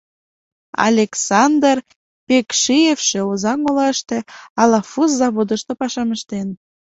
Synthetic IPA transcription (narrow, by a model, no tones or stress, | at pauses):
ɑ̰lʲeksɑnd̪r | pekʃijefʃeozɑŋolɑʃt̪ĕɑlɑfuszɑβod̪əʃt̪ŏpɑʃɑməʃt̪en